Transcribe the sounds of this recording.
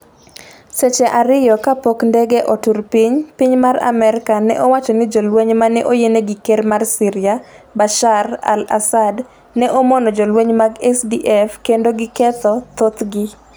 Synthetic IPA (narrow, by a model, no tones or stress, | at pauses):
set͡ʃɛʔaɾɪjɔkapokndɛɡeʔoturpiɲpiɲmara̰mɛɾɪkanɛ̰ʔowat͡ʃɔnɪd͡ʒolweɲmanɛʔojeneɡɪkermarsɪɾɪjabaʃara̰la̰sad | nɛʔomɔnɔd͡ʒɔlweɲmaɡɛsdiʔɛfkendoɡɪkɛt̪ɔt̪ot̪ɡɪ